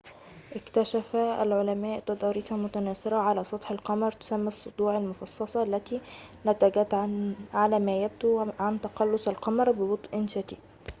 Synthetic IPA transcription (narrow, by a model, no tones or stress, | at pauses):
ʔɪkt̪æʃæfæælʕolæmæːʔt̪ɑd̪ˤɑːɾit̪ɑmʊt̪ænæːsɪɾɑʕalæːsˤɑt̪ˤħelqɑmɑɾˤt̪ʊ̥sæmːæsˤːod̪ˤuːʕalmʊfɑsˤːɑsˤɑʔalːæt̪iːnæt̪æːɡæːt̪ʕalæːmæːjæb̚t̪uʕant̪ɑqɑlːosalqɑmɑɾˤbɪbɑt̪ˤʔɪnʃæt̪iː